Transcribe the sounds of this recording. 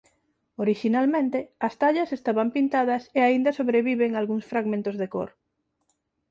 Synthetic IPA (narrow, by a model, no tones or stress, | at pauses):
oɾiʃinalmẽnt̪eɐst̪aʎɐsest̪aβampint̪aðɐseaind̪ɐsoβɾeβiβeŋalɣuŋsfɾaɣmẽnt̪ozðeko̰ɾ